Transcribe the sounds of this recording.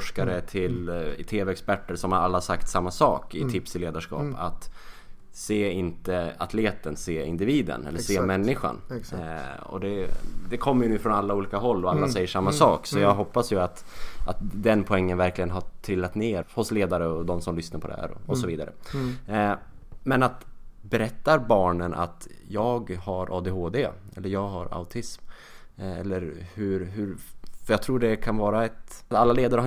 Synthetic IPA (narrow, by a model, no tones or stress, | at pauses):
ʂkaɾət̪ʰɪlt̪ʰeːvɛɛkspæʈːəɾsɔmhaɾalːasakt̪samːasɑːkɪt̪ʰɪpsɪleːd̪aʂkɑ̰ːpa̰t̪ | seːɪnt̪əat̪ʰleːt̪ənseːɪ̰nd̪ɪviːd̪ə̰nɛ̰lːəseːmɛnːɪɧa̰n | ɔ̰d̪ɛd̪ɛkʰɔmːəjɵnʉ̟ːfɾɔnalːauːliːkaɦɔlːɔalːasɛjːəʂamːasɑːksɔjɑːɡɦɔpːasjɵat̪ | at̪d̪ɛnpʰɔɛŋːənvæɾklɪɡənɦaʈʰɾɪlːat̪neːɾhʊsleːd̪aɾəɔd̪ɔmsɔmlʏsnaɾpʰɔd̪ɛ̰hæ̰ːɾɔ̰ɔsɔviːd̪a̰ɾə̰ | mɛnat̪bɛɾɛt̪ːaɾbɑːɳənʔa̰t̪jɑːɡhaɾʔɑ̰ːd̪eɦoːd̪eɛ̰lːəɾjɑːɡɦa̰ɾa̰ʊt̪ʰɪsm | ɛ̰lːəɾhɵɾɦɵɾfœɾjɑɡt̪ʰɾuːɖɛkʰanvɑːɾaɛt̪t̪alːaleːd̪aɾə